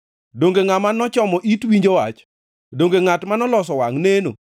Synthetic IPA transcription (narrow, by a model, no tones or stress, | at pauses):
doŋɡeŋamanɔt͡ʃɔmɔʔitwiɲd͡ʒowat͡ʃ | doŋɡeŋatmanɔlɔs̬ɔwaŋneno̰